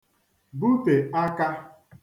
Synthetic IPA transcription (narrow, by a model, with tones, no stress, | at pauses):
bu˦pe˨a˦ka˦